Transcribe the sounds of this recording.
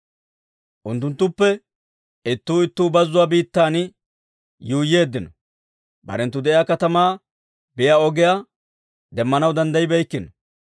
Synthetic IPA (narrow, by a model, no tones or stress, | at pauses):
ʔʊnt̪̬ːʊnt̪ːʊpːɛ | ɪt̪ːuːɪt̪ːuːbɐzːʊwaːbiːt̪ːaːn | juːjːe̞ːd̪ːɪnɔ | bɐ̰ɾɛnt̪ːʊd̪ɛʔɪjaːkɐt̪ɐmaː | bɪjaɔɡɪja | d̪ɛmːɐnɐwd̪ɐnd̪ɐjɪbɛjkːɪnɔ